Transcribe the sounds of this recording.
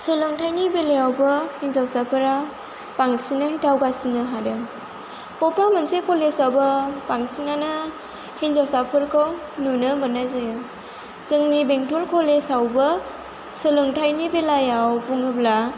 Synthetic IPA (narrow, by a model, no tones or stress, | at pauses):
sɯlɯŋtʰajnibelejawbɯhiŋzawsapʰɯɾa | paŋsinɯhitʰawɡasinɯɦadɯ | pɔpamansekʰɔlesawbɐpaŋsinanɯ | hinzawsapʰɯɾkʰɯw | nunɯmɯnazɯjɯ | zɯŋnibeŋtʰulkʰɔlesawbɐ | sɯlɯŋtʰajnibelajawpuŋɯbla